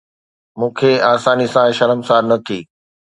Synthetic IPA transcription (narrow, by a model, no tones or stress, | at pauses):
mũːkʰeaːsaːnisãʃɐɾəmsaːɾnɐt̪ʰiː